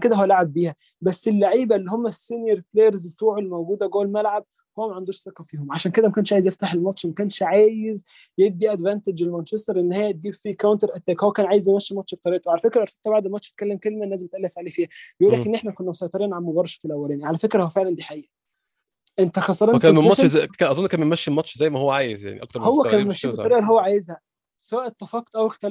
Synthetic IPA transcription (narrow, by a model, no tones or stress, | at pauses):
nked̪æhowælaʕabːiːhæ | bæsːelːaʕiːbælːihomːæsinjeɾplejæɾzbet̪uːʕolːmæwɡuːd̪æɡoːlmælʕab̚ | howːæmæʕand̪uːʃsˤɑqːɑfiːhomʕaʃæːnked̪æmækæːnʃʕaːjezjeft̪aħelmɑt̪ʃmækæːnʃʕaːjez | jeb̪̚d̪iʔæd̪vænt̪ed͡ʒelmænt͡ʃest̪ɑɾˤʔenːhæːjːæd̪iːfikːæwnt̪eɾʔæt̪ːæːkhowːækæːnʕaːjezjemæʃːmɑt̪ʃb̚t̪ˤɑɾiːʔt̪owʕalæfekɾæʔɑɾˤt̪e̥t̪ːæbaʕd̪elmɑt̪t͡ʃʃæt̪̚kælːemkelmænːæːzemet̪ʔælːiʔæfeʕlifiːhæbejʔuːlːækʔenːeħnækonːæmsˤɑjt̪ˤɾiːʔɑnʕanmobɑɾˤːɑʃfilʔæwːælæːniʕalæfekɾæhowæfeʕlænd̪iːħaʔiːʔæ | ʔent̪æxɑsˤɑɾˤɑkæmeɑʃkænʔɑzˤonːkæːnbemæʃːelmɑtʃzæjːmæhowːæʕaːjezja̰ʕnḭʔɑkt̪ɑɾmhowwːækænemæʃːiːbet̪ˤɑɾiːʔælːihowːæʕaːjezhæ | sæwæːʔet̪ːæfɑqːt̪ˤʔæwext̪æl